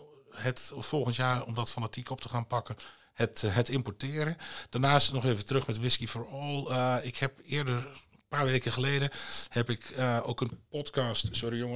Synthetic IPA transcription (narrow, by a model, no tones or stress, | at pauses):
hətfɔlˠɣəntjaːɹɔmdɔtfanatʰikɔp̚təxaːnpɑkə | hətɦɛtɪmpɔtɪːəɾəd̥aɹnaːstnɔxeːvətərɵxmɛtʋɪskifoːɹɔlˠɪkhɛpɪːəɹdər | paːɹʋeːkəxəleːdəhɛpɪkoːkənpɔtkastsʊɾijʊŋə